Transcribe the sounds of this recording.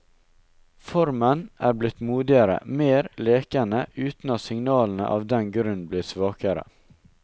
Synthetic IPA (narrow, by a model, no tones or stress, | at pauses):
fɔɾmənʔæːɾblɪt̪muːd̪ɪəɾə̰meːɾleːkənəʔʉːt̪n̩ɑt̪sɪŋnɑːln̩ə̰ʔɑ̰ːʋd̪ɛnɡɾʉnbliːsʋɑːkəɾə̰